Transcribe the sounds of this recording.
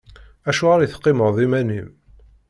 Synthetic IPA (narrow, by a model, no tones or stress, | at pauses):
æʃuʁaɾjiθqːɪməʁˤðˤimænim